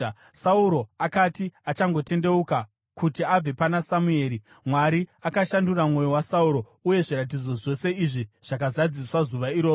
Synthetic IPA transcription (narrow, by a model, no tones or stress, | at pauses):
sauɾo̞akatiat͡ʃaŋɡo̞te̞nde̞uka | kutiab͡ve̞panasamue̞ːɾi | mwaɾiakaʃanduramŋo̞jowasauɾo̞ | uje̞ʐiɾat̬id͡zo̞ʐo̞se̞iʐiʐ̥ak̬azad͡ziswazuʋaiɾoː